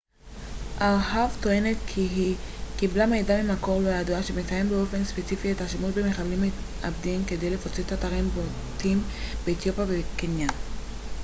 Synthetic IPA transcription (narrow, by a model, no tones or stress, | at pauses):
ʔaʁhavt̪o̞e̞netʰ | kiblamejdamimhakolajaduaʃemet͡saje̞mbeo̞fe̞nspet͡sifie̞taʃemuʃbemeχalime | ʔa̰bdimke̞de̞jle̞fot͡sethat̪aʁimbo | tim | beːt̪jo̞pjavekenjan